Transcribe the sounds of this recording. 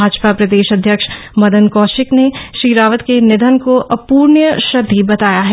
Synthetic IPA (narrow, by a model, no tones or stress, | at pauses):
aːd͡ʒpapɾɐd̪eːʃɐd̪ʱːjəkʃmɐd̪ənkɔːʃɪkneʃɾiːɾaːʋət̪kenɪd̪ʱənkoʔɐpuːɾnjəʃɐd̪ʱːibɐt̪aːjaɦɛ